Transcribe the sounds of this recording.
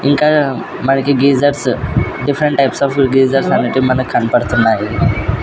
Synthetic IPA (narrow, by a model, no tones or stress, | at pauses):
iŋka | maɳkiɡiːzəɾsɖifʰɾəɳʈːajpsɔfɡeːzəɾsaniʈimənəkʰːanpəɽt̪ənaɦi